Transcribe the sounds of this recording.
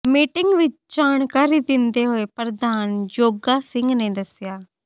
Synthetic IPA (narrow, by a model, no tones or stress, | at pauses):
miːʈɪŋɡʋɪt͡ʃd͡ʒaːnkaːɾiːd̪ɪnd̪eːɦoːeːpɾəd̪aːnd͡ʒoːɡaːsɪ̃ŋɡnẽːd̪əsɪjaː